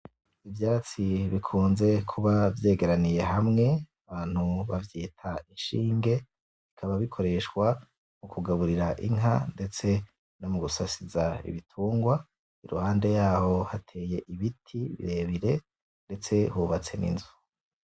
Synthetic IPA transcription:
ivjaːt͡siβikʰuːnze̞kʰuβavje̞ːɡe̞ɾanije̞ɦamŋe̞aβaːn̥huβavjiːtʰaiʃiːŋɡe̞ | ikʰaβaβikʰo̞ɾe̞ʃɡwa | mukuɡaβuɾiɾaʔḭŋɦa̰nde̞t͡se̞ | nomuɡusasizaḭβitʰuːŋɡwa | iɾṵhaːnde̞jaːho̞hatʰe̞je̞ʔiβitʰiβḭɾe̞βiɾe̞ | nde̞t͡se̞huβat͡se̞nḭnzu

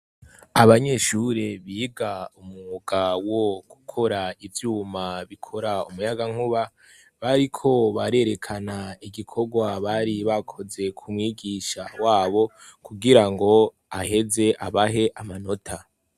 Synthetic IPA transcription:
aβaɲe̞ʃuɾeβiːɡaumuɡawo̞ɡ̥ukʰo̞ɾaivjuːmaβikʰo̞ɾaumujaɡaŋ̥uβa | βaɾikʰo̞βaɾe̞ɾe̞kʰanaiɡikʰo̞ɡwaβaɾiβakʰo̞ze̞kʰumŋiːɡiʃawaːβo̞kuɡiɾaŋɡo̞ | ahe̞ze̞ʔaβaɦe̞ʔamano̞tʰa

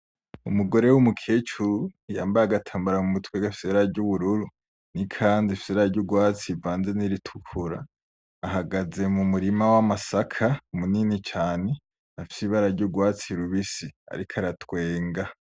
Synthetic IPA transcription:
ṵmuɡo̞ɾe̞wumukʰe̞ːt͡ʃuɾujaːmbajaɡatʰaːmbaɾamumutweɡafi̥seɾaɾɟuβuɾuɾu | nikʰaːndifi̥seɾaɾɟuɡwaːt͡sivaːnze̞niɾitʰu̥kʰuɾa̰ː | ɦaɡaze̞mumuɾimawamasakʰaumuninit͡ʃaːne̞ | afisiβaɾaɾɟuɡwaːt͡siɾuβisia̰ɾikʰaɾatwe̞ːŋɡa

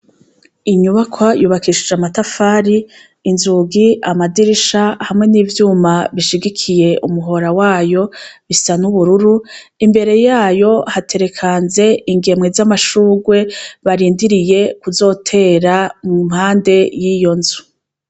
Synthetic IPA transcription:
iɲuβakʰwajuːβakiʃid͡ʒamatafaːɾiː | nzuɡiamadiɾiʃahamŋe̞niːvjuːmaβiʃiɡikʰije̞ʔumuɦo̞ɾawaːjo̞βisanuβuɾuɾuimbe̞ɾe̞jaːjo̞hatʰe̞ɾe̞kʰaːnze̞iŋɡe̞mŋezamaʃuːɡwe̞βaɾiːndiɾije̞kuzo̞ːtʰe̞ːɾamum̥haːnde̞jijo̞nzu̥

